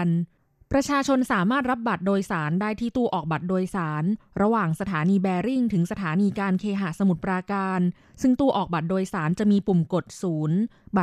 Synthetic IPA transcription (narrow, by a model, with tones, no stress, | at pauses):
n | pɾa˧t͡ɕʰaː˧t͡ɕʰo˧nsaː˩˦maː˥˩t̪̚ɾa˦˥p̚ba˨˩t̪̚doː˧jsaː˩˦ndaː˥˩jt̪ʰiː˥˩t̪u˧əʔɔː˨˩k̚ba˨˩t̪̚doː˧jsaː˩˦n | ɾa˧waː˨˩ŋsa˧t̪ʰaː˩˦niː˧bɛː˧ɾi˥˩ŋt̪ʰɯ˩˦ŋsa˧t̪ʰaː˩˦niː˧kaː˧nkʰeː˧ɦa˨˩sa˧mu˨˩t̪̚pɾaː˧kaː˧n | sɯ˥˩ŋt̪u˧əʔɔː˨˩k̚ba˨˩t̪̚doː˧jsaː˩˦nt͡ɕa˨˩ʔmiː˧pu˨˩mko˨˩t̪̚suː˩˦nba˨˩